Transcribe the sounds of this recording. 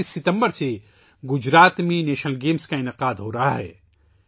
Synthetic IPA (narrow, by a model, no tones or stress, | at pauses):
isːɪt̪ə̃mbəɾse | ɡʊd͡ʒɾaːt̪mẽneːʃnəlɡeːmskaɪnɪqaːd̪ɦoːɾɐɦaɦɛ̰ː